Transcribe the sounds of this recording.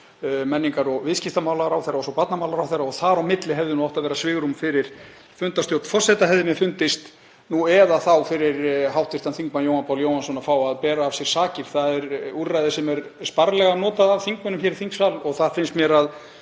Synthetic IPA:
mɛnːiŋkaɾɔɣvɪðscɪst̪amaːwlaɣɾawθeɾːaɔsɔpat̪namaːwlaɾawθeɾːaɔɣθaɾawmɪt̪lɪɦɛvðʏnuɔht̪aðvɛːɾasvɪːɣɾumfɪɾɪɾ̥ | fʏnt̪ast̪jowt̪fɔr̥sɛt̪aɦɛððɪnɪfʏnt̪ɪst̪ | nuɛðaθawfɪɾɪɾɦawht̪ɪst̪anθiŋkmanjoːwhanpʰawljoːwhansɔnafaːwaðpɛːɾaːvsjɛɾ̥saːcɪɾ̥θaðɛɾuɾːajðɪsɛmɛɾspaɾlɛɣanɔːt̪aðavθiŋkmʏnʏmçɛɾɪθiŋksvalɔɣθaðfɪnst̪mjɛːɾað

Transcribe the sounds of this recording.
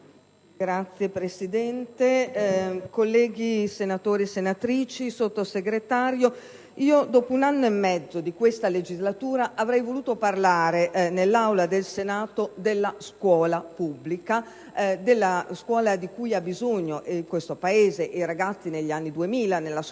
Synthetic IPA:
ɡɾat̪sːjepɾesid̪ɛnt̪e | kolːɛːɡisenat̪oːɾiesenat̪ɾiːt͡ʃisot̪ːoseɡɾet̪aːɾjo | iːod̪ɔːpounanːoemːɛd̪zːod̪ikwest̪aled͡ʒizlat̪uːɾaʔavɾɛjvoluːt̪oparlaːɾeʔnelːawlad̪elsenaːt̪od̪elːaskwɔːlapubːlika | d̪elːaskwɔːlad̪ikujabːizoɲːoʔekwest̪opaeːzeʔeɾaɡat̪sːineʎːianːid̪uemiːlanelːas

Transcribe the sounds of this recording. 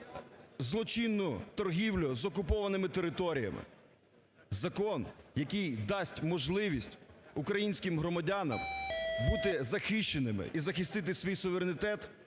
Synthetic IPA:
zlˠɔt͡ʃinːʊt̪ɔrɦʲiwlʲʊzɔkʊpɔʋɐnɪmɪt̪eɾɪt̪ɔɾʲijɐ̰mɪ̰ | zɐkɔnjɐkijd̪ɑsʲtʲmɔʒlˠɪʋʲisʲtʲukɾɐjinʲsʲkɪmɦɾɔmɐdʲanɐ̰mbut̪ɪzɐxɪʃt͡ʃenɪmɪ̰ʔizɐxɪst̪ɪt̪̬ɪsʲʋʲijsʊʋeɾenʲɪt̪ɛt̪

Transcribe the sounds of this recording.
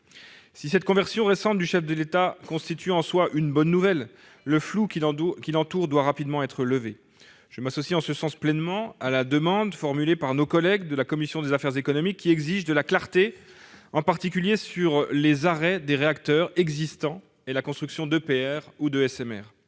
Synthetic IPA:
sisɛt̪̚kɔ̃vɛʁsjɔ̃ʁesɑ̃t̪̚d̪yʃɛfd̪əlet̪akɔ̃st̪it̪yɑ̃swaʔynbɔnːuvɛlː | əflukʲilɑ̃t̪uʁd̪waʁapid̪mɑ̃ɛt̪χələve | ʒ̥əmasɔsiɑ̃səsɑ̃splɛnmɑ̃alad̪əmɑ̃d̪fɔʁmylepaʁnokɔlɛɡd̪əlakɔmisjɔ̃d̪ezafɛʁzekɔnɔmikʲːiɛɡziʒd̪əlaklaʁt̪e | ɑ̃paʁt̪ik̬ʲyljesyʁlezaʁɛd̪eʁeakt̪œʁɛɡzist̪ɑ̃ | elakɔ̃st̪χyksjɔ̃d̪əpeɛʁud̪əɛsɛmɛ̰ʁ

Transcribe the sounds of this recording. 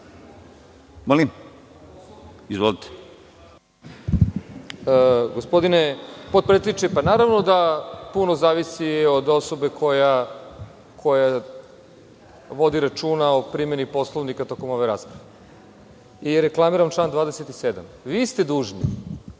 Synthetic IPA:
molim | izvʋolit̪e̥ | əɡospod̪inepot̪̚pɾet̪eiit͡ʃejpanaɾaʋno̞d̪apuno̞zaːʋisio̞d̪o̞so̞be̞kʰo̞ja | kʰo̞ja | ʋo̞d̪iɾat͡ʃuːnaopɾime̞nipo̞slˠoʋnikat̪o̞ko̞mo̞ʋejɾa̰ːspɾaʋe | iɾe̞klˠamiɾamt͡ʃlaːnd̪ʋaːd̪eset̪ised̪a̰mʋiːst̪e̞d̪uːʒnḭ

